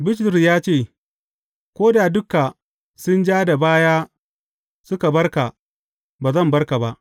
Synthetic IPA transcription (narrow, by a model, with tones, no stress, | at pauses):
bɪ˦ʃtʊ˨ɾjaː˦t͡ʃeː˦˨ | kʷoː˦da˨dʊ˦ka˨ | sʊ˦nd͡ʒaː˦da˨baː˦jaː˦ | sʊ˦ka˨bɐ˦rka˨ | baː˨zɐ˦˨mbɐ˦rka˨ba˦ʔ